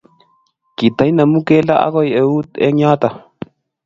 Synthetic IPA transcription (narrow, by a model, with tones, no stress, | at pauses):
ki˨t̪a˨˦i˦na˨mu˦kɛ˦la˦ʔa̰˦kɔ˦jɛ˨wu˦t̪ɛ̰˦ɲa˦t̪a˨